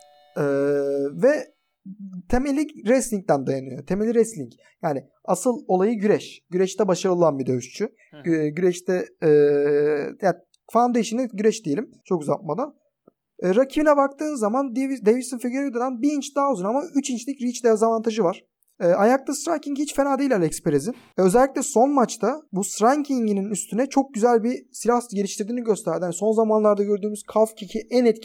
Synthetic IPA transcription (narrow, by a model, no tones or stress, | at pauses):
ɛːvɛ | t̪ʰe̞melʲːiɾɛslʲiŋc̚t̪ænd̪ajanɯjot̪ʰe̞melʲiɾɛst̪lʲiɲc | jaːnɪ | asɯlˠo̞lˠajɯɟyɾɛʃɟ̥yɾɛʃt̪ɛbaʃaɾɯlˠanbid̪øʃt͡ʃʰy | ɟyɾɛʃt̪ʰɛː | ja | fand̪eiʃinɛɟyɾɛʃd̪ijelʲimt͡ʃʰo̞kuzatp̪̚mad̪an | ɛːɾacʰibinɛbak̚t̪ʰɯːnzːamand̪vd̪evisɯnfiɟøɾd̪ad̪anbiint͡ʃd̪aːuzanamayt͡ʃʰint͡ʃlʲicɾit͡ʃd̪jazavant̪ʰaʒɯvaɾ̥ | ɛːajak̚t̪ʰasɾaŋcʰiŋɟhit͡ʃfenaːd̪ejlʲalʲɛkspeɾezi | ø̞zɛlʲːiclʲɛso̞nmat͡ʃt̪ʰabusɾaɲcʰiɲɟininyst̪ʰynɛt͡ʃʰo̞k̚ɟyzælʲbisilʲahsɟe̞ɾiʃt̪ʰiɾd̪iːniɟø̞st̪ʰæɾd̪ihaniso̞nzamanlˠaɾd̪aɟø̞ɾd̪yːmyz̥kʰalˠfcʰicʰiʔænɛt̪cʰ